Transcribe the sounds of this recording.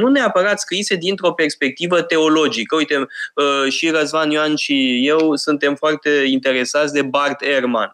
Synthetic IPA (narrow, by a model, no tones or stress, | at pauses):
nune̞apəɾat̪skɾise̞d̪int̪ɾo̞pe̞rspe̞k̚t̪ivət̪e̞o̞lo̞d͡ʒikəujt̪e̞əʃiɾəzmanjoanʃije̞wsunt̪e̞mfoart̪e̞int̪e̞ɾe̞sat̪sʲd̪e̞bart̪erma̰n